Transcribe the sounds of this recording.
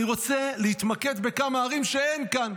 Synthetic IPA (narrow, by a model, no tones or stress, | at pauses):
iʁo̞t͡selehit̪make̞d̪be̞kamaːʁimʃe̞e̞nkan